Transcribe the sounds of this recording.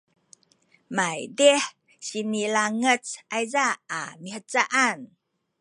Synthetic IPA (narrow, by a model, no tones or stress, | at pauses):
majdɛh | sinilaŋət͡sʔajzaa̰mihət͡saʔan